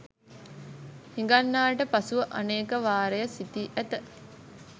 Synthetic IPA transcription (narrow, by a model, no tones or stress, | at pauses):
hiŋɡanːaːʈəpasuʋəʔa̰neːkəʋaːɾejəsit̪iʔæt̪ə